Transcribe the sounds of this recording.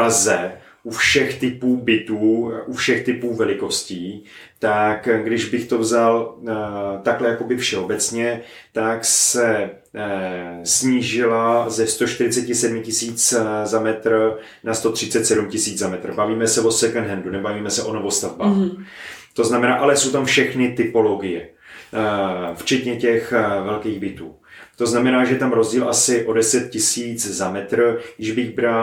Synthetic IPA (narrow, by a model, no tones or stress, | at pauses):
pɾazɛ | ʔufʃɛxt̪ɪpuːbɪt̪uːʔufʃɛxt̪ɪpuːvɛlɪko̞sciːt̪akɡdɪʒbɪxt̪o̞vzal | t̪aklɛjako̞bɪfʃɛo̞bɛt͡sɲɛ | t̪aksɛ | sɲiːʒɪlazɛst̪o̞ʃt̪ɪɾɪt͡sɛcɪsɛdmɪcɪsiːt͡szamɛt̪r | nast̪o̞t̪r̥ɪtt͡sɛt̪sɛdumcɪsiːd͡zzamɛt̪rbaviːmɛsɛvo̞sɛkɛnɦɛndunɛbaviːmɛsɛʔo̞no̞vost̪avbaːx | t̪o̞znamɛnaːʔalɛsowt̪amfʃɛxnɪt̪ɪpo̞loɡɪjɛ | ft͡ʃɛt̪ɲɛcɛxvɛlkiːɣbɪt̪ṵː | t̪o̞znamɛnaːʒɛt̪amɾo̞zɟiːlʔasɪʔo̞dɛsɛt̪̚cɪsiːt͡szamɛt̪rjɪʒbɪɣbɾa